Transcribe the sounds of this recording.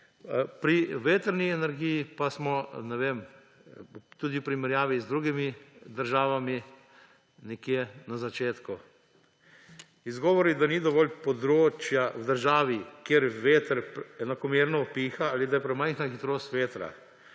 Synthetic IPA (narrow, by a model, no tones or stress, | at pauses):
pɾiʋeːt̪əɾniɛnɛɾɡijipasmɔnɛʋeːm | t̪uːd̪ipɾimɛɾjaːʋizd̪ɾuːɡimid̪əɾʒaːʋami | nɛkjenazat͡ʃeːt̪ku | izɡɔːʋɔɾid̪anid̪ɔʋɔlpɔd̪ɾoːt͡ʃjawd̪əɾʒaːʋikjeɾʋeːt̪əɾɛnakɔmeːɾnɔɔpiːxaalid̪ajɛpɾɛmajxnaxit̪ɾoːst̪ʋeːt̪ɾa̰